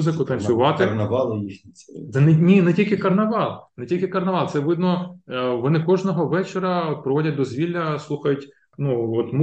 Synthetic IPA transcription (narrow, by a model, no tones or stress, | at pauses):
zɪkʊt̪ɐnʲsʲʊʋɑt̪ɪɐnɐʋɑlˠjixnʲiid̪ɛnnʲinɛtʲilʲkɪkɐrnɐʋɑlˠnɛtʲilʲkʲɪkɐrnɐʋɑlˠt̪sɛʋɪd̪nɔʋɔnɪkɔʒnɔɦɔʋɛt͡ʃɪɾɐɔt̪̚pɾɔʋɔdʲɐt̚ʲd̪ɔzʲʋʲilʲːɐslˠuxɐjʊtʲ | nuɔt̪m